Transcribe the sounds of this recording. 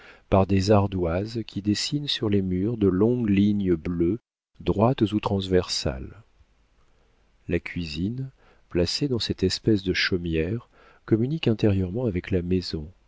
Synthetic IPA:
paʁd̪ezaʁd̪wazkʲʰid̪esinsyʁlemyʁd̪əlɔ̃ɡliɲəblø | d̪ʁwat̪zut̪χɑ̃zvɛʁsa̰l | lakʲʰɥizin | plased̪ɑ̃sɛt̪ɛspɛsd̪əʃɔmjɛʁ | kɔmynikɛ̃t̪eʁjœʁmɑ̃avɛklamezɔ̃

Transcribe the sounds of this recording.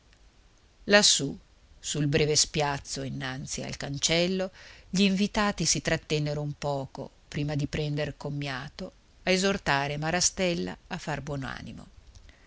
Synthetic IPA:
lasːu | sulbɾɛːvespjat̪sːoinːant̪sia̰lkant͡ʃɛlːoʎiːɱvit̪aːt̪isit̪ɾat̪ːɛnːeɾoumpɔːko̰ | pɾiːmad̪ipɾɛnd̪erkomːjaːt̪o | aezort̪aːɾemaɾast̪ɛlːa̰afːarbwɔːnoa̰ːnimo̰

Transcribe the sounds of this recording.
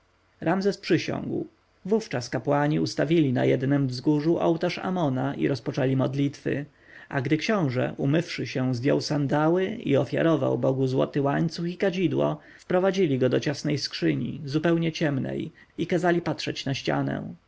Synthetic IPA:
ɾamzɛspʂɘɕɔ̰̃ŋɡw | vuft͡ʂaskapwaɲiust̪avʲilʲina̰jɛd̪nɛmvzɡuʐuʔɔwt̪aʂa̰mɔnaḭɾɔspɔt͡ʂɛlʲimɔd̪lʲit̪fɘ̰ | aɡd̪ɘkɕɔ̃w̃ʐɛ̰ʔumɘfʂɘɕɛ̃zd̪jɔ̰wsand̪awɘḭɔfʲja̰ɾɔva̰wbɔɡuzwɔ̰t̪ɘwaɲt̪suxikad͡ʑid̪wɔ̰ | fpɾɔvad͡ʑilʲiɡɔd̪ɔt͡ɕasnɛjskʂɘɲḭzupɛwɲɛt͡ɕɛmnɛ̰j | ikazalʲipat̪ʂɛt͡ɕnaɕt͡ɕa̰nɛ̰̃

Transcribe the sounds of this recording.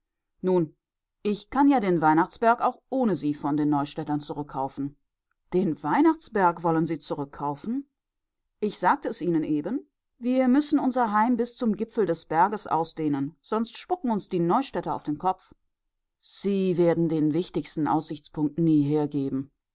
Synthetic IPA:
nuːn | ʔɪçkʰanjaːdeːnvaɪnaχt͡sb̥ɛɐkaʊxʔoːnəziːfɔndeːnːɔʏʃtɛtɐnt͡suʁʏkʰːaʊfn̩ | d̥eːnvaɪnaχt͡sb̥ɛɐkvɔlənziːt͡suʁʏkʰːaʊfn̩ | ʔɪçz̥aːk̚təɛsʔiːnənʔeːbən | viːɐmʏsn̩ʔʊnzɐɦaɪmbɪst͡sʊmɡɪpp͡fl̩dɛsb̥ɛɐɡəsʔa̰ʊsd̥eːnənz̥ɔnstʃpʊkŋ̩ʊnsd̥iːnɔʏʃtɛtɐa̰ʊfd̥eːnkʰɔp͡f | z̥iːveːɐdn̩deːnvɪçtɪçstn̩ʔa̰ʊsz̥ɪçt͡spʰʊŋk̚tniːɦeːɐɡeːbm̩

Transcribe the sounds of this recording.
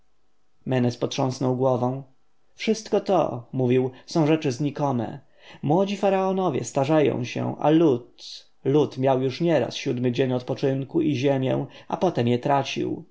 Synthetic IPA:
mɛnɛspɔtʂɔ̃snɔwɡwɔvɔ̃w̃ | fʂɘst̪kɔt̪ɔ̰muvʲiwsɔ̃w̃ʐɛt͡ʂɘzɲikɔmɛ̰ | mwɔd͡ʑifaɾaɔnɔvʲjɛ̰st̪aʐajɔ̰̃w̃ɕɛ̰ʔa̰lut̪ | lut̪mʲjawjuʂɲɛɾa̰sɕud̪mɘd͡ʑeɲɔt̪pɔt͡ʂɘnkuʔiʑɛmʲjɛ̰̃w̃apɔt̪ɛmjɛt̪ɾat͡ɕḭw

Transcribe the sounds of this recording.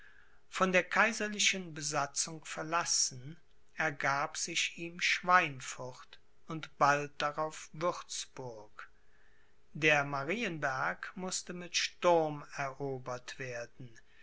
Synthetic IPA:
fɔndeːɐkʰaɪzɐlɪʃənbəzat͡sʊŋfɛɐlasn̩ | ɛɐɡaːpz̥ɪʃiːmʃv̥aɪnfɔʁt | ʊntb̥alt̚d̥aʁaʊfvʏʁt͡sb̥ʊɐk | deːɐmaʁiːənbæɐkmʊstəmɪtʃtʊɐmɛɐʔoːbɐtv̥eːɐdn̩

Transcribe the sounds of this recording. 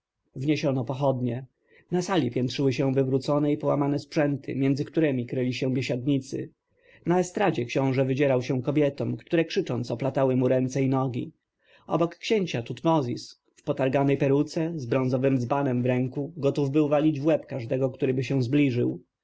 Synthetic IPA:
vɲeɕɔnɔpɔxɔd̪ɲɛ | nasalʲipʲjɛntʂɘwɘɕɛ̃vɘvɾut̪sɔnɛipɔwamanɛspʂɛnt̪ʰɘ̰mʲjɛnd̪zɘkt̪uɾɛmʲikɾɘlʲiɕɛ̃vʲjeɕad̪̚ɲit̪sɘ̰ | naɛst̪ɾad͡ʑɛkɕɔ̃w̃ʐɛvɘd͡ʑɛɾawɕɛ̃kɔbʲjɛt̪ɔmkt̪uɾɛkʂɘt͡ʂɔnt̪sɔplat̪awɘmuɾɛnt̪sɛinɔɡʲḭ | ɔ̰bɔkːɕeɲt͡ɕat̪ut̪mɔzʲḭs | fpɔt̪aɾɡanɛjpɛɾut̪sɛzbɾɔ̃ñzɔvɘmd̪zbanɛmvɾɛŋkuɡɔt̪uvbɘwvalʲid͡ʑvwɛpkaʐd̪ɛɡɔkt̪uɾɘbɘɕɛ̃w̃zblʲiʐɘw

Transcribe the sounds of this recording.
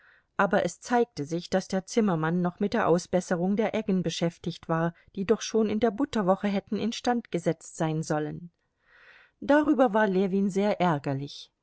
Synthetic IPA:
ʔaːbɐʔɛst͡saɪk̚təzɪçd̥asd̥eːɐt͡sɪmɐmanːɔχmɪt̚d̥eːɐʔaʊsb̥ɛsəʁʊŋdeːɐʔɛɡn̩bəʃɛftɪçtv̥aːɐ | d̥iːdɔχʃoːnɪndeːɐbʊtɐvɔχəɦɛtn̩ɪnʃtantɡ̥əzɛt͡stz̥aɪnzɔlən | d̥aʁyːbɐvaːɐlɛviːnzeːɐʔɛɐɡɐlɪç

